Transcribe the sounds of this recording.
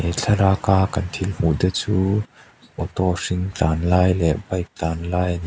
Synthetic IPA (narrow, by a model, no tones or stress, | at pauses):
ɛt͡ɬʰɐɾaːkaːkɐnt̪ʰilm̥uʔd̪ət͡suː | ʔɔt̪ɔʂiŋt͡ɬaːnlaːjlɛʔbɐjk̚t͡ɬaːnlaːjɐni